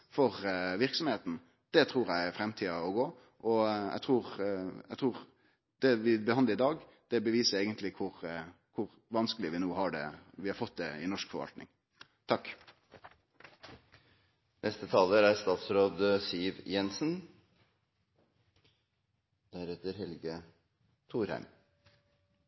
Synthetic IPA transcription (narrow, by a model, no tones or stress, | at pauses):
fɔʁʋɪʁksɔmheːt̪n̩ | d̪̥ɛt̪ʰɾuːɾæɪfɾɛmt̪ʰiːɑɔɡoː | ʔɔæ̰ɡt̪ʰʁuːʁæɡt̪ʰʁuːʁ | d̪̥ɛʋɪbəhɑnd̪ləɪd̪ɑːɡ | d̪̥ɛbəʋiːsəɾeːɡənt̪lɪkʰʊʁ | kʰʊʁ | ʋɑnskəlɪəʋɪnoːɦɑɖɛ̰ʋɪhɑɾfɔt̪̚d̪ɛɪnɔʂkfɔɾʋɑ̰lt̪nɪ̰ŋ | t̪ʰɑkː | nʔɛst̪ət̪ʰɑːləɾæst̪ɑːt̪sɾoːd̪əsiːʋjɛnsn̩ | d̪̥æɾɛt̪əɾhɛlɡə | t̪ʰuːɾhæ̰ɪm